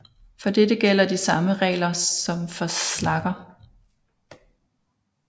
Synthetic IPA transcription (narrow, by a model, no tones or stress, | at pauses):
fɒ̽d̥edəɡ̥el̰ɐd̥isɑ̈məʁɛ̰ːlɐɒ̽mfɒ̽slɑ̈ɡ̥ɐ